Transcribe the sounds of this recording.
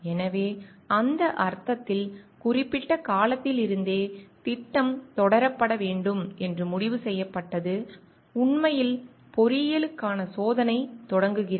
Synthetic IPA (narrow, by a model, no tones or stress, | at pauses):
ɛnɐʋeːɐnd̪ɐʔɐɾt̪ɐt̪ːɪlkʊrɪpːɪʈːɐkaːlɐt̪ːɪlɪɾɯnd̪eːt̪ɪʈːɐmt̪ɔɽɐɾɐpːɐɽɐʋeːɳɖɯmɛndrɯmʊɽɪʋɯsɛjːɐpːɐʈːɐðɯ | ʊɳmɐjɪl | pɔɾɪjɐlɯkːaːnɐsoːðɐnɐɪt̪ɔɽɐŋɡɯɣɪr